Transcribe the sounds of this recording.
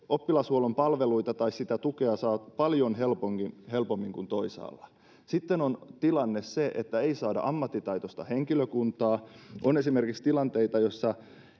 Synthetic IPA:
opːilɑshuolompɑlʋeluit̪ɑt̪ɑissit̪æt̪ukeɑsɑːtpɑljonɦelpoŋkihelpomːiŋkunt̪oisɑ̰ːlːɑ | sit̪ːenont̪ilɑnːesseʔet̪ːæeisɑːdɑ̰ʔɑmːɑt̪ːit̪ɑit̪ost̪ɑheŋkiløkunt̪ɑːʔone̞sime̞rkikst̪ilɑnt̪e̞it̪ɑjosːɑ

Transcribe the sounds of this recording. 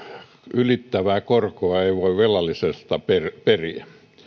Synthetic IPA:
ylit̪ːæʋæːkorkoɑeiʋoiʋʋelɑlisest̪ɑperperiæ

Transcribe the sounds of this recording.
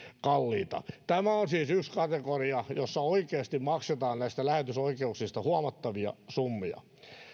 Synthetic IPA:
kɑlːḭːt̪ɑ̰t̪æmæonsiːsykskɑt̪ekoriɑjosːɑoikeːst̪immɑkset̪ɑːnnæist̪ælæhet̪ysoikeuksist̪ɑhuɑmɑt̪ːɑʋiɑ̰sumːiɑ̰

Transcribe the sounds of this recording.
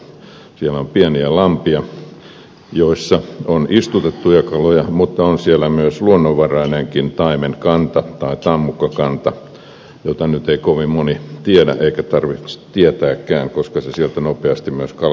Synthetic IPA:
sielompieniælɑmpiɑ | joisːɑonist̪ut̪et̪ːujɑkɑlojɑmut̪ːɑonsielæmyøsluonːoʋːɑrɑineŋkint̪ɑimenkɑnt̪ɑt̪ɑit̪ɑmːukːɑkɑnt̪ɑ | jot̪ɑnyt̪eikoʋimmonit̪iedæ̰ʔeikæt̪ɑrʋi̥t̪iet̪æːkːæːŋkoskɑsesielt̪ænopeɑst̪immyøskɑl

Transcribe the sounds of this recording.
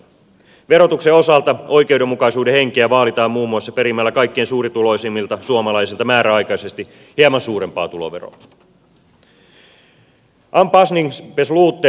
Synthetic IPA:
ʋe̞ɾo̞t̪ukseo̞sɑlt̪ɑo̞jk̟e̞uwde̞mːukɑjsuːdehe̞ŋkeæʋɑːlit̪ɑːmːuːmːuɑsːɑpeɾimːælːækɑjkːensuːɾit̪ulo̞isemːilt̪ɑsuomɑlɑjsilt̪ɑmæːɾæɑjkɑjse̞st̪i | hiɑmɑnsuːɾe̞mpɑ̰ːt̪ulo̰ʋero̰ | ʔɑmpɑsniŋspesluːt̪ːe

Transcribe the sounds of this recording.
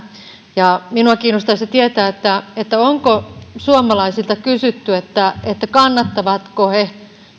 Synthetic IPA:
jɑminuɑkiːnost̪ɑiset̪iet̪æːet̪ːæet̪ːæoŋkosuomɑlɑisilt̪ɑkysyt̪ːyet̪ːæet̪ːækɑnːɑt̪ːɑʋɑt̪kohe

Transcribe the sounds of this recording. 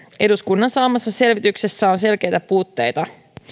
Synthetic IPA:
ʔe̞duskunːɑnsɑːmɑsːɑse̞lʋit̪ykse̞sːæo̞nse̞lk̟e̞jt̪æpuːt̪ːe̞̰jt̪ɑ

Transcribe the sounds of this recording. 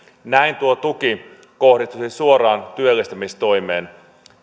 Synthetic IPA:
næint̪uot̪uki | kohdist̪usisuoɾɑːnt̪yølːest̪æmist̪ojmeːn

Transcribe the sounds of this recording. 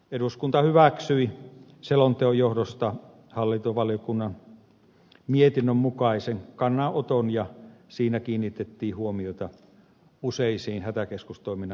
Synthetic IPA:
eɾuskunt̪ɑhyʋæksyi | selont̪eojohdost̪ɑ | hɑlːint̪oʋɑljokunːɑn | miet̪inːømmukɑiseŋkɑnːɑʔot̪onjɑsiːnækiːnːit̪et̪ːiːhuomioit̪ɑ | useisiːnhæt̪ækeskust̪oˑiminɑ

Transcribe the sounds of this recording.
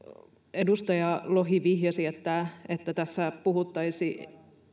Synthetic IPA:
edust̪ɑjɑloɦiʋihjɑsiet̪ːæet̪ːæt̪æsːæpuhut̪ːɑisi

